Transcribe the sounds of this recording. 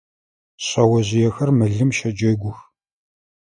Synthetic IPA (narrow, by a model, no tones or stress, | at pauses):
ɕɐwɐʑɪjɛxɐrmɨɮɨmʃɐd͡ʒɐɡʷʊx